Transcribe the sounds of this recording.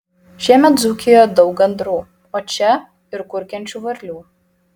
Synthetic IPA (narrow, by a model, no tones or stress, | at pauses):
ʃʲiɛmʲɛt̪zuːkʲeːjoːd̪ɒʊk̚ɡɐnd̪ɾuː | oːt͡ʃʲɛ | ɪɾkʊɾʲkʲɛnʲt͡ʃʲuːʋɐɾʲlʲuː